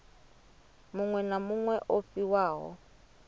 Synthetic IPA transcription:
mʊŋwɛnamuŋwɛʔofiwaːɦɔ̰

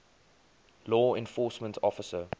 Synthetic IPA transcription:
lɔːɛ̃nfɔˑsmə̃ntʰɔfəsə

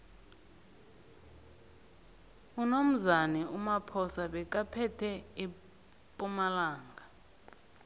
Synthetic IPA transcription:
unom̩zanɛumapʰɔsaɓɛk̬ʼapʰɛtʰɛi | pʼumalaːŋɡa

